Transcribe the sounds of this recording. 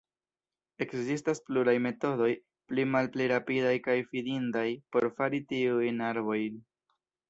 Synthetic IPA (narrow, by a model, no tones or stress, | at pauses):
e̞kzistaspluɾajme̞to̞do̞j | plimalpliɾapidajkajfidindajpo̞ɾfaɾitiujnaɾbo̞jn